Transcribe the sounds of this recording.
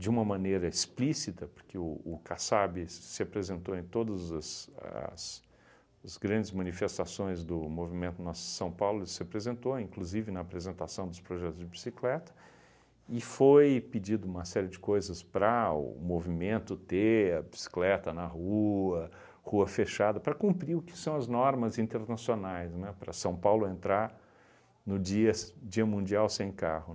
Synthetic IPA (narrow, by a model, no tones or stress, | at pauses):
d͡ʒɪũmɐmɐ̃nejɾɐisplisit̪ɐpo̥ɾkɪʊːkasabɪsɪapɾezẽnt̪oẽt̪od̪ɐzɐsɐ̰s | zɡɾɐ̃nd͡ʒɪzmɐ̃nifest̪asõj̃zd̪ʊmovimẽnt̪ʊnɔsʊd͡ʒsɐ̃w̃pawlʊsɪapɾezẽnt̪oĩkluzivɪnɐːpɾezẽnt̪asɐ̃w̃d̪ʊspɾoʒɛt̪ʊzd͡ʒɪbisiklɛt̪ɐ̥ | ɪfojpɪd͡ʒid̪ʊũmɐsɛɾɪd͡ʒɪkojzɐspɾɐʊ̰movimẽnt̪ʊt̪eɐbi̥si̥klɛt̪ɐnɐhuɐ | huɐfeʃad̪ɐpɾɐkũmpɾiʊkɪ̥sɐ̃w̃ɐznɔɾmɐzĩt̪eɾnasionajznɛpɾɐsɐ̃w̃pawlʊẽnt̪ɾaɾ | nʊd͡ʒiɐd͡ʒiɐmũnd͡ʒiawsẽj̃ka̰hʊ